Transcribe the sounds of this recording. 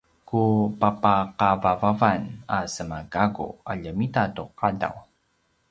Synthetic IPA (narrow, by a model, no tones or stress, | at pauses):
kupapaqavavavanasəmaɡaɡṵaʎəmitatuqada̰w